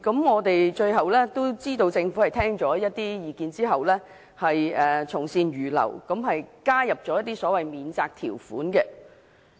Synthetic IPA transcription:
kɐ˨˥mŋɔː˨˧t̪e˨jt͡ʃɵ˧ɥɦɐ˨wlɛː˥t̪o˥wt͡siː˥t̪o˧wt͡sɪ˧ŋfu˨˥hɐ˨˩jt̪ʰɛː˥ŋt͡ʃɔː˨˥jɐ˥t̚t̪iː˥jiː˨˧kiː˧nt͡siː˥ɦɐ˨wlɛː˥ | hɐ˨jɛː˨t͡sʰʊ˨˩ŋsiː˧nɥyː˨˩lɐ̰˨˩wkɐ˨˥mɦɐ˨jkaː˥jɐ˨p̚t͡ʃɔː˨˥jɐ˥t̪̚i˥sɔː˨˥wɐ˨jmiː˨˧nt͡saː˧k̚t̪ʰḭ˨˩wfṵː˨˥nkɛ˧

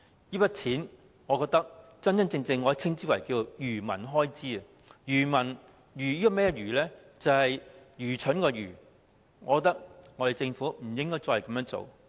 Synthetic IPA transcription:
jiː˥pɐ˥t̚t͡sʰiː˨˥n | ŋɔː˨˧kɔː˧k̚t̪ɐ˥k̚t͡sɐ˥nt͡sɐ˥nt͡sɪ˧ŋt͡sɪ˧ŋːɔː˨˧jɛ˥k̚t͡sʰɪ˥ŋt͡siː˥wɐ˨˩jkiː˧o˨˧jyː˨˩mɐ̰˨˩nɦɔː˥jt͡siː˥ɐ˨ | jyː˨˩mɐ˨˩n | jyː˨˩jiː˥kɔ˨˧mɛː˥jɛ˥jyː˨˩lɛː˥ | t͡sɐ˨whɐ˨jjyː˨˩t͡ʃʰɵ˨˥nkɔː˧jyː˨˩ | ŋɔː˨˧kɔ˧t̪ɐ˥k̚ŋɔ˨˧ɾe˨jt͡sɪ˧ŋfu˨˥m̩˨˩jɪ˥ŋkɔː˥jt͡sɔː˧hɐ˨kɐ˨˦mjœː˧˥ŋt͡so̰˨w

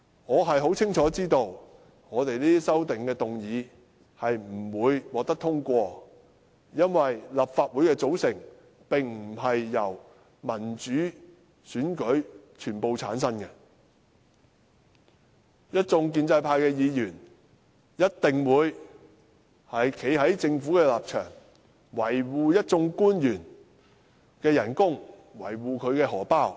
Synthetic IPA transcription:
ŋɔː˨˧ɦɐ˨jɦo˨˥wt͡sʰɪ˥ŋt͡ʃʰɔː˨˥t͡siː˥t̪o˧w | ŋɔː˨˧t̪e˨jliː˥i˥sɐ˥wt̪ɪ˨ŋkɛː˧t̪ʊ˨ŋjiː˨˧ | hɐ˨jm̩˨˩wuː˨˧jwɔː˨k̚t̪ɐ˥k̚t̪ʰʊ˥ŋkʷɔː˧ | jɐ˥nwɐ˨jlɐ˨pfaː˧t̚wu˨˥jkɛː˧t͡so˨˥wsɪ˨˩ŋ | pɪ˨ŋm̩˨˩ɦɐ˨jːɐ˨˩w | mɐ˨˩nt͡ʃyː˨˥ | syː˨˥nkɵ˨˥ɥt͡ʃʰyː˨˩npo˨˧wt͡sʰa̰ː˨˥nsɐ˥nkɛ˧ | jɐ˥t̚t͡sʊ˧ŋk̬iː˧nt͡sɐ˧jpʰaː˧jkɛː˧jiː˨˧jyː˨˩n | jɐ˥t̚t̪ɪ˨ŋwuː˨˧j | hɐ˨jkʰe˨˥jɦɐ˨˥jt͡sɪ˧ŋfuː˨˥kɛː˧laː˨p̚t͡ʃʰœ̰ː˨˩ŋ | wɐ˨˩jwuː˨jɐ˥t̚t͡sʊ˧ŋkuː˥njyː˨˩n | kɛː˧jɐ˨˩nkʊ˥ŋ | wɐ̰˨˩jwuː˨kʰɵ˨˧ɥkɛː˧hɔː˨˩paː˥w

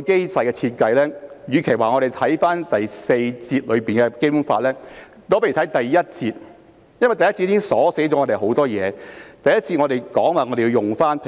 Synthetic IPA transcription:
ke˥jsɐ˨jkɛ˧t͡sʰiː˧t̚kɐ˧jlɛː˥jyː˨˧kʰe˨˩jwaː˨ŋɔː˨˧ɾe˨jt̪ʰɐ˨˥jfaː˥nt̪ɐ˨jse˧jt͡siː˧t̚lɵ˨˧ɥpiː˨˩nkɛ˧ke˥m˥faː˧t̚lɛː˥ | t̪oː˥pɐ˥˨˩ɐ˨˥jt̪ɐ˨jjɐ˥t̚t͡siː˧t̚ | jɐ˥nwɐ˨jt̪jɐ˥t͡si˧t̪̚i˥˦˥ŋsɔː˨˥se˨˥jt͡sɔ˨˦˥ŋːɔ˨˧t̪e˨˩ɦo˨˥wt̪ɔː˥jɛː˨˧t̪ɐ˨jɐ˥t̚t͡si˧t̚ŋɔ˨˧ɾe˨jkɔː˨˥ŋwaː˨˩ŋɔː˧ɾe˨ji˧wjʊ˨˩ŋfaː˥npʰ

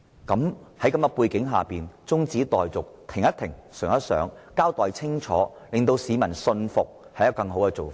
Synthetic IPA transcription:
kɐ˨˥mhɐ˨˥jkɐ˨˥mɐ˧puː˧jkɪ˨˥ŋɦaː˨piː˨nt͡sʊ˥ŋt͡siː˨˥t̪ɔː˨jt͡sʊ˨k̚t̪ʰɪ˨˩ŋɐ˥t̪ʰɪ˨˩ŋsœː˨˩ŋɐ˥t̚sœ̰ː˨˥ŋkaː˥wt̪ɔː˨jt͡sʰɪ˥ŋt͡ʃʰɔ̰ː˨˥ | lɪ˨ŋt̪o˧wsiː˨˧mɐ˨˩nsɵ˧nfʊ˨k̚ | hɐ˨jɐ˥˧kɐ˧ŋɦo˨˥wkɛ˧t͡so˨wfː

